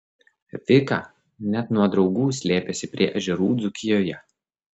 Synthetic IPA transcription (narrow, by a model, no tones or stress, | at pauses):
ʋʲɪkɑ̰ː | nʲɛt̪nuɔd̪ɾɒʊɡuːsʲlʲeːpʲɛsʲɪpʲɾʲiɛʔɐʒʲɛɾuːd̪zʊkʲɪjoːjɛ